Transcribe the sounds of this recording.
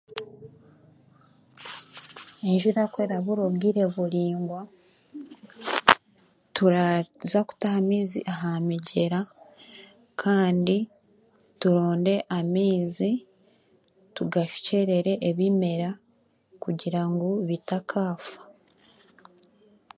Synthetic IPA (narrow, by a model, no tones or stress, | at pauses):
eɲʒuɾakwe̞ɾaβuɾoβɡiɾe̞βuɾiːŋɡwa | tuɾazaku̥tahamiːzḭʔaɦamiɟe̞ɾa | kʰaːndi | tuɾo̞ːnde̞ʔamiːzi | tuɡaʃu̥ce̞ɾe̞ɾe̞ʔeβime̞ɾa | kuɟiɾaŋɡoβitakʰaːfḁ